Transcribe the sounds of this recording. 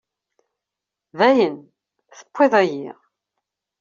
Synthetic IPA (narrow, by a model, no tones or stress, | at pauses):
væjən | θə̥pʷːiðˤæjḭʁ